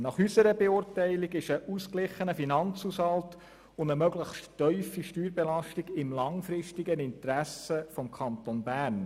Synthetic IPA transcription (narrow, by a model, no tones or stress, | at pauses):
nɑχysəɾəbeʊrtæɪliɡɪʃəʔusklɪχːənəfinɑnt͡sushɑlt | ʊndəmœɡləχʃtːœʏfiʃtyːɾbɛlɑʃtiɡɪmlɑŋfɾɪʃtiɡənɪntɾæsəfɔmkʰɑntonbæːn